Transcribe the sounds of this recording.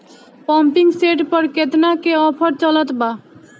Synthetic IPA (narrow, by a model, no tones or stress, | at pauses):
pɔmpiŋseʈpɔɾket̪nakeɔpʰɔɾt͡ɕɔlɔt̪ba